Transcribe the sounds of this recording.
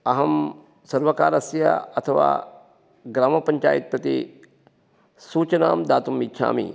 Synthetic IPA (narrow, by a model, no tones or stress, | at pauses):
ɐɦɐm | sɐɾʋɐkaːɾɐsjɐ̰ɐt̪ʰɐʋa̰ː | ɡɾaːmɐpɐɲt͡ʃa̰ːjit̪̚pɐt̪i | suːt͡ʃɐnaːmd̪aːt̪umːitːʃʰa̰ːmḭ